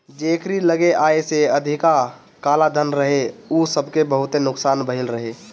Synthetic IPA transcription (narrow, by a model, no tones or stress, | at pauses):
d͡ʒeːkɾiləɡeʔaːeseəd̪ʱika | kaːlad̪ʱənɾəɦeusəbʱkebəɦʊt̪enʊksaːnbəɦɪlɾəɦe